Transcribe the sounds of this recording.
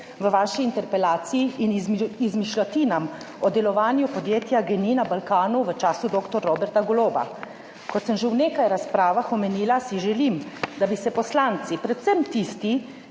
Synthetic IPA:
ʋəʋaːʃiːnt̪ɛɾpɛlaːt̪siiinizmiʃlɔt̪iːnam | ɔd̪ɛlɔʋaːnjupɔd̪jeːt̪jaɡɛniːnabalkaːnuʋət͡ʃaːsud̪oːkt̪ɔɾːobɛɾt̪aɡɔloːba̰ | kɔt̪səmʒewneːkajɾaspɾaːʋaxɔmɛniːlasiʒɛlimd̪abisɛpɔslaːnt̪sipɾɛt̪sɛmt̪ist̪i

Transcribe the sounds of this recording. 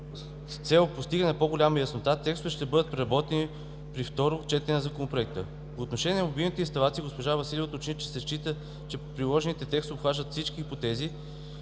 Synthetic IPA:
st̪sɛlˠpost̪iɡənɛpoɡolʲamɐjɐsnot̪at̪ɛkst̪ʊvɛʃt̪ɛbɤd̪ət̪̚pɾɛɾɐbɔt̪ɛni | pɾift̪ɔɾʊt͡ʃɛt̪ɛnɛnɐzɐkonopɾoɛk̚t̪ə | poːt̪noʃɛnʲiɛnɐmobilˠnit̪ɛinst̪ɐlˠat̪siɡospoʒavɐsilʲɛvot̪ot͡ʃnit͡ʃɛ̥sɛʃt͡ʃit̪ə | t͡ʃɛpɾilˠɔʒɛnit̪ɛt̪ɛkst̪oːpxvaʒət̪fsit͡ʃkiipot̪ɛzi

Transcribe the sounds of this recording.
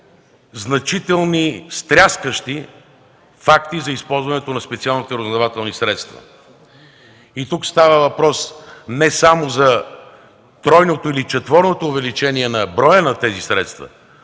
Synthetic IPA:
znɐt͡ʃit̪ɛlˠnist̪ɾʲaskəʃt̪i | fakt̪izɐispɔlˠzvɐnɛt̪onɐspɛt̪sialˠnit̪ɛɾoznd̪ɐvat̪ɛlˠnisɾɛt̪st̪və̰ | it̪ukst̪avəvɐpɾɔsnɛsamozɐ | t̪ɾɔjnot̪oilit͡ʃɛt̪vɔɾnot̪oːvɛlit͡ʃɛniɛnɐbɾɔjənɐt̪ɛzisɾɛt̪st̪və̰

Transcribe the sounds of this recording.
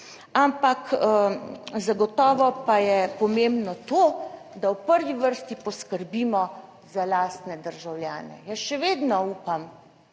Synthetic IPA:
ampak | zaɡɔt̪ɔːʋɔpajɛpɔmembnɔt̪o | d̪awpəɾʋiʋəɾst̪ipɔskəɾbiːmɔ | zalaːst̪nɛd̪əɾʒawljaːnɛ̰jəsʃɛʋeːd̪nɔuːpam

